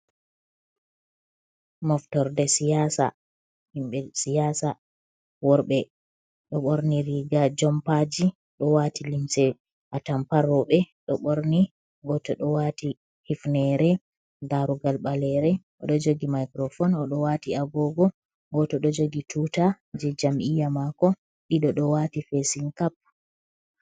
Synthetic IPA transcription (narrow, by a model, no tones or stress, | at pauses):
mɔftɔɾdɛsijasa̰ | himɓɛsijaːsa | wɔɾɓɛ | ɗɔɓoɾniɾiɡad͡ʒɔmpad͡ʒi | ɗɔwatilimsɛ | ʔatampaɾɔɓɛɗɔɓoɾni | ɡɔtɔɗɔwati | hifnɛɾɛ | daɾuɡalɓalɛɾɛʔɔɗɔd͡ʒoɡimajkɾɔfɔnɔɗɔwatiaɡɔɡɔ | ɡɔtɔɗɔd͡ʒoɡituːta | d͡ʒɛd͡ʒamʔijamakɔ | ɗiɗɔɗɔwatifesiŋkap̚